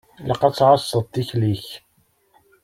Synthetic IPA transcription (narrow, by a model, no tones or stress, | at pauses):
ləqɑt͡sːʕɑsˤːəðˤt̪ːiçliç